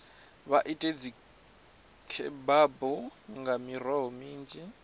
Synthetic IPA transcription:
βaʔitʼed͡zi | kʰɛbabɔŋɡamirwaɦɔmiːnd͡ʒi

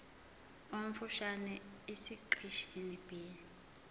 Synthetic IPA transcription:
om̩fuʃanɛ | esiǃʰiʃinib̥ʱe

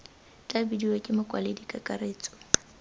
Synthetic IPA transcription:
t͡ɬʼabidiwekʼɪmʊkʼwa̰ledikʼakʼareːt͡sʼɔ̥

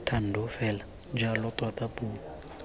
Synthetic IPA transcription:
tʰan̩dɔfɛla | d͡ʒalɔtwatapuːa

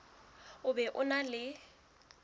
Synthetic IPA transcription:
ʊbɛʔʊnalɪ

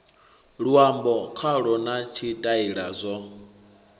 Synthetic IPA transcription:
ɺuambɔkʰaɺɔnat͡ʃʰitʼaiɺazʷɔ

